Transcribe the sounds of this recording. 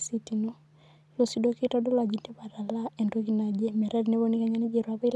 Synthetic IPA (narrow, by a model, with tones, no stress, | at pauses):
si˦ti˨no˦ | lo˨si˨do˦ki˦tɔ˦dɔ˦la˨d͡ʒi˦ntɛ˦ba˨ɾa˨la˦ɛ˨ndo˦ki˨na˨d͡ʒe˦mɛ˨ɾa˦di˨ne˦βo˦ni˦ka˦ɲa˦ni˦d͡ʒe˨ɾwa˦βɛ˦l